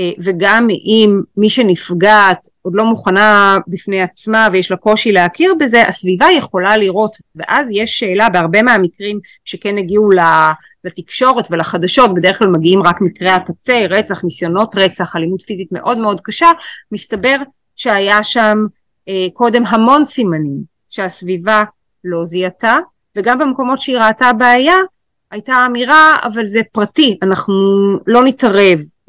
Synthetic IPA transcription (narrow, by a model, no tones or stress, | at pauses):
veɡamimːiʃenifɡat̪od̪lo̞muχanabifnejat͡smavejeʃlako̞ʃileakiʁbe̞ze̞ʔasvivajeχo̞laliʁo̞t | ve̞̰ʔazjeʃːe̞ːlabeaʁbe̞meamikʁim | ʃekeneɡiula | latikʃo̞ʁe̞tvelaχadaʃo̞t̚be̞deklalmaɡiimʁakmikʁeakat͡se̞ʁet͡saχnisjo̞no̞tʁe̞t͡saχalimudfizitme̞̰ʔo̞dmeo̞dkaʃamistabe̞ʁ | ʃeajaʃam | eko̞de̞mɦamo̞nsimanim | ʃeasviva | lo̞ziata | veɡambemko̞mo̞tʃeiʁaːtabaːja | ajtaːmiʁaa̰valzepʁatianaχnulo̞nitaʁe̞v